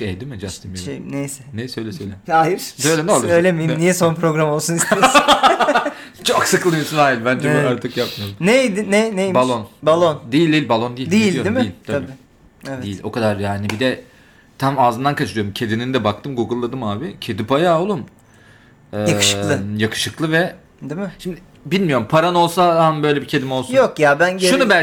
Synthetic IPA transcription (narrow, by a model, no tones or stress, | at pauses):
ɛjd̪imɪd͡ʒast̪ʰimjʃejḭnejsɛnɛjsø̞jlʲɛsøjlʲeasøjlʲɛnɛalˠøjlʲemijnijɛso̞npɾo̞ɡɾamo̞lˠsunis | t͡ʃʰoksɯklˠɯmismaːilʲbænd͡ʒʰiaɾt̪ʰɯkjap̚mijolnejd̪ɪnenejibalˠonbalˠond̪ejilʲd̪ijilʲbalˠo̞nd̪ijid̪ijilʲjod̪imɪijilt̪ʰaabi | evdejilʲo̞̰kʰad̪aɾjaːnibid̪ɛ | t̪ʰamaːzɯnd̪ankʰat͡ʃʰɯɾɯoɾumcʰe̞d̪ininid̪ɛbak̚t̪ʰɯmɡuɡɯlˠːad̪ɯmaːbicʰed̪ipajaːolˠum | ɛjḁlˠɯjakʰɯ̥ʃɯklˠɯvɛ | d̪imɪʃimd̪ɪ | bilʲmijo̞ɾumpʰaɾano̞lˠsaanbø̞jlʲɛbicʰe̞d̪imo̞lˠsujnokjabænɟeʃuubæ